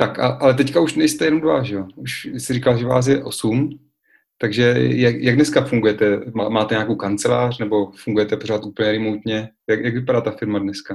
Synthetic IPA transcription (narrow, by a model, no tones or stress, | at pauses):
t̪aka̰ʔalɛt̪̬ɛckauʃnɛjst̪ɛjɛnomdva̰ʒɛjouʃɪsɪrikalʒɛva̰ːs̬jɛʔo̞sum | t̪aɡʒɛjajaɡdnɛskafuŋɡujɛt̪ɛmamaːt̪ɛɲakowkant͡sɛla̰ːrnɛbo̞fuŋɡujɛt̪ɛpoɾ̝aːt̪ʔuːpl̩ɲɛɾɪmowt̪ɲɛjakjaɡvɪpadaːt̪afɪɾmadnɛska